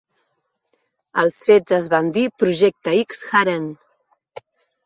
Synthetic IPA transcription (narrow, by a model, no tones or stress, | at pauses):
əlˠsfezəzβand̪ipɾuʒɛk̚t̪əiksxaɾen